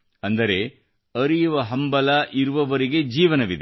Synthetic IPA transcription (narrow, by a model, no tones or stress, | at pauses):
ɐnd̪ɐɾe̞ | ɐɾijuʋɐɦɐmbɐlaʔiɾuʋɐʋɐɾiɡe̞d͡ʒiːʋɐnɐʋid̪e